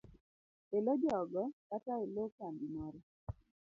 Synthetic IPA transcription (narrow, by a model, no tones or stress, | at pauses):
elod͡ʒɔɡɔkataelokandimɔɾɔ